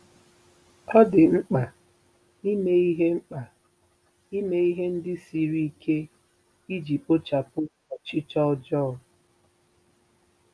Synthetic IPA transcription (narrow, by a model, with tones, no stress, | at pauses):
ɔ˦dɪ˨ŋ͡m̩˦k͡pa˨ | ni˦me˦i˦ɦe˦ŋ͡m̩˦k͡pa˨ | i˦me˦i˦ɦe˦n̩˦dɪ˦si˨ɾi˦i˦kʰe˦ | i˦d͡ʒi˨po˦t͡ʃa˨pʊ˦ | ɔ˨t͡ʃɪ˦t͡ʃɔ˦ɔ˦d͡ʒɔ˦˨˦